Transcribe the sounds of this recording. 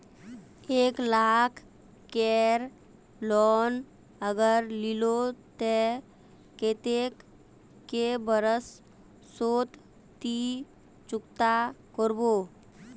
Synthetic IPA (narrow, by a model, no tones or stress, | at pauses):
eːklaːkʰ | kːeɾ | lɔːn | əɡəɾlilot̪e | ket̪ek | kebəɾəsː | oːt̪ | t̪i | t͡ʃʊkt̪akoɾboː